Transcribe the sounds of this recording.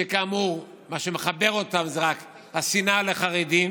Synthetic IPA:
ekaːmuʁ | maʃeme̞χabe̞ʁo̞tamzeʁak | hasinaleχaʁedim

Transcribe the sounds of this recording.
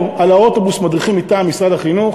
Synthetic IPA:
alao̞tobusmad̪ʁiχimit̪aːmːisʁad̪aχinuχ

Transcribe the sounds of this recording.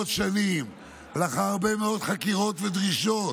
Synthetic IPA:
t̪ʃanim | laχaːʁbemeo̞d̪χakiʁo̞tved̪ʁiʃot

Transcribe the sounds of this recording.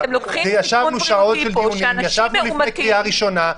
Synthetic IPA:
ʒejaʃavnuʃao̞tʃeldiunmjaʃavnulifnekʁiaʁiʃo̞na

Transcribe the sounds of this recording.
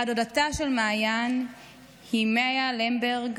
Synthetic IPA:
adodataʃelmaːjan | himeajalembeʁɡ

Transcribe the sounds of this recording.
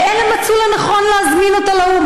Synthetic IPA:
elemat͡sulanaχo̞nleazminot̪alaum

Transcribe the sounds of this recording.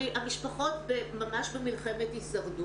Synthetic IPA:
ʔamiʃpaχo̞tbemamaʃbemilχemetisaʁdu

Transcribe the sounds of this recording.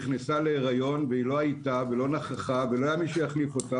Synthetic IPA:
χnesaleːʁajo̞nveilo̞ajtavelo̞naχaχaveloajamiʃejaχlifo̞ta

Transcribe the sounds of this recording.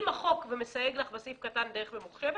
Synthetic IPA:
maχo̞kvemesajeɡlaχvasifkatandeeχvemuχʃev

